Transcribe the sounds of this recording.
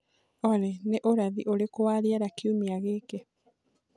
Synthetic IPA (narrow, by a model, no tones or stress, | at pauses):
ɔɾɛneʔoɾaðiʔoɾekowaɾiaɾakiumiaɣeːke